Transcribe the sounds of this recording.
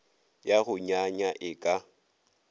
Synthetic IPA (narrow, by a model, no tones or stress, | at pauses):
jaɣʊɲaɲaʔɪkʼa